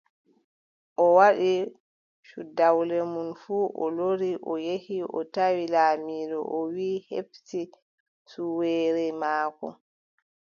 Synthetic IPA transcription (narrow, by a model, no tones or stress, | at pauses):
ʔɔwaɗi | ʃudawlɛmunfuːʔɔ̰loɾiʔɔjehiʔɔtawilaːmiːɾɔ̰ʔɔwiːhḛbti | suwɛːɾɛmaːkɔ̰